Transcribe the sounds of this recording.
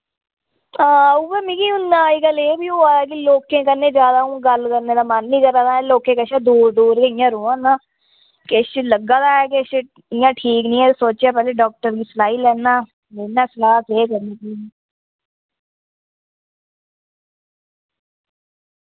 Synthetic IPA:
aːʊʋemĩːkiːʊnːãːiɡəleːbiːoːaːkiːloːkːẽːkəɾnẽːd͡ʒjaːd̪aːũːɡəlkəɾneːd̪aːmənːĩːkəɾãːd̪aːloːkẽːkəʃãːd̪uːɾd̪uːɾkeɪjãːɾoːãːnaː | keʃləɡãːd̪aːɛːkeʃ | ɪjãːʈʰiːknĩːɛːsoːt͡ʃaːpɛːleːɖɔːk̚ʈəɾɡiːsəlaːiːlɛːnaː | leːnaːsəlaːkeːkəɾneːkiːiː

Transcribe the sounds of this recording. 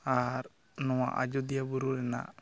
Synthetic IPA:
aɾ | nɔwa̰ʔa̰d͡ʒɔd̪ijabuɾuɾɛna̰ʔ

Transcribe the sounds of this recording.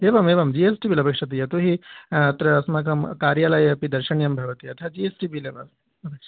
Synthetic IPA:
eːʋɐmeːʋɐmd͡ʒiesʈibilɐpɐkʂɐt̪̬ijɐt̪uɦiɐt̪ɾɐɐsmɐkʰɐmkaːɾjɐlɐjɐpid̪ɐɾʃɐɳjɐmbʱɐʋɐt̪iɐt̪ʰɐd͡ʒiesʈibileːʋɐm | ɐpɐkʂɐ

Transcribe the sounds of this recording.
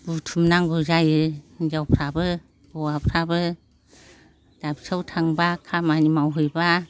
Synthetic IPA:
b̥utʰumnaŋɡɯzajɯd͡ʒawpʰɾabɯ | b̥ɔwapʰɾabɯ | d̥abisawtʰaŋbakʰamanimawɦɯjba

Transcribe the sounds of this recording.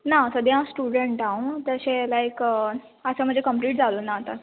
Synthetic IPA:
nasəd̪iɦãsʈuɽəɳʈaũt̪əɕelajk | əsə̃m̤əɳd͡ʑekəmpliːʈd͡zʱalonaːt̪a

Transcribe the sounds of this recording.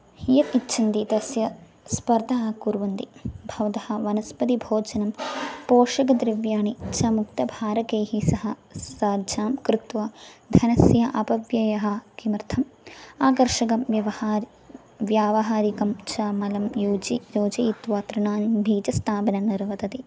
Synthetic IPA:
hijɐkitːʃʰɐnd̪it̪ɐsjɐ | spɐɾd̪ʱaːkuɾʋɐnt̪ibʱɐʋd̪ɐhɐ̆ʋɐnɐspɐd̪ibʱoːd͡ʒɐnɐmpoːʂɐɡɐd̪ɾɪʋjaːɳit͡ʃʰɐmuk̚t̪ɐbʱaːɾɐkeːhisɐɦɐsaːd͡ʒaːmkɾɪt̪ʋɐd̪ʱɐnɐsjɐʔɐpɐʋjɐjɐɦɐ̆kimɾt̪ʰɐmaːkɐɾʂɐɡɐmʋjɐʋɐhaːɾi | ʋjaːʋɐɦaːɾikɐmt͡ʃaːmɐlɐmjuːd͡ʒijoːd͡ʒɐit̪ʋaːt̪ɾɐɳaːnbʱiːd͡ʒɐst̪ʰaːpɐnɐniɾʋɐt̪ɐt̪i

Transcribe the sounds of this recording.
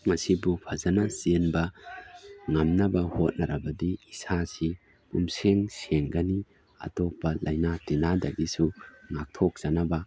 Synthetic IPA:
mɐsibupʰɐzɐnɐsenbɐ | ŋɐmnɐbɐhot̚nɐɾɐbɐdiisasi | pumseŋseŋɡɐni | ɐ̰topːɐlɐjnatinadɐɡisuŋak̚tʰok̚z̥ɐnɐbɐ

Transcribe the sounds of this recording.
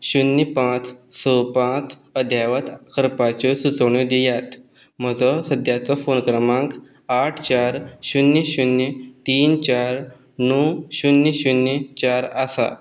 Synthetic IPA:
ɕunəpãt͡ssɔpãt͡s | əd̪ʱjaʋət̪kəɾpat͡ɕɔsut͡səʋɳ̃od̪ijat̪ | m̤əd͡zɔsəd̪ʱjat͡sɔfonkɾəmãŋk | aʈʰt͡ɕaɾɕunːiɕunit̪iːnt͡ɕaɾ | nɔɕunːiɕunət͡ɕaɾasa̰

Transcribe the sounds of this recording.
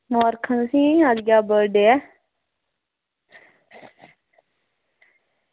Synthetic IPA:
mõəɾkʰənəsĩːad͡ʒɡjaːbəɖeːɛː

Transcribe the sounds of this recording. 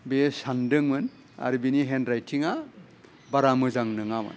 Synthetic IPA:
besandɯŋmɯn | a̰ɾbiniɦendɾajtʰiŋa | baɾamɯzaŋnɯŋamɯ̰n

